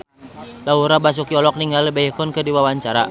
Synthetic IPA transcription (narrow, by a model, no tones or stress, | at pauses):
lauɾabas̬ukiɔlɔk̚niŋɡalibajɛkɔnkədiwawaɲt͡ʃaɾa